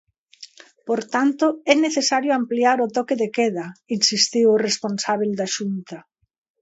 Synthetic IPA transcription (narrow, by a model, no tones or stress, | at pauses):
poɾt̪ant̪ʊɛneθesaɾjoampliaɾʊt̪ɔkeðekɛð̞ɐinsist̪iwresponsaβ̞eld̪aʃunt̪ɐ